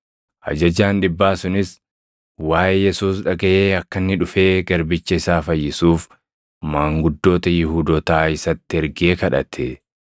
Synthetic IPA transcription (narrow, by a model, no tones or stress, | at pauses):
ʔɐ̰d͡ʒɐd͡ʒaːnᶑɪbːaːsʊnɪs | waːʔejɛsuːs̬ᶑɐɡɐʔeːɐkːɐnːɪᶑʊfe̞ːɡɐɾbɪt͡ʃːɐɪsaːfɐjːɪsuːf | maːŋɡʊd̪ːo̞ːt̪ɐjɪhuːd̪oːt̪aːɪsɐt̪ːɪɛɾɡeːkɐᶑɐ̰t̪ʰɛ